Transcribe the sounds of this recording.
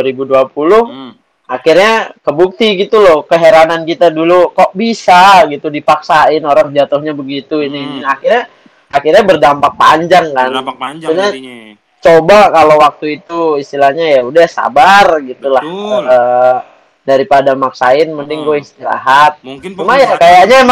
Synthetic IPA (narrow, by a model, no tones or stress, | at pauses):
aɾibuduapulʊh | akirɲakəbuk̚t̪iɡit̪ulɔhkəɦeɾanankit̪adulukoʔbisaɡit̪udipaksaɪnoɾaŋd͡ʒat̪ʊhɲabəɡit̪uininiakɪrɲa | akirɲabərdampak̚pa̰ɲd͡ʒaŋkanuɲa | t͡ʃobakalowak̚t̪uit̪uist̪ilahɲajaudahsa̰barɡit̪ulahə | daɾipadamaksaɪnməndɪŋɡuaist̪iɾa̰ɦat̪̚t͡ʃumajakajaʔɲam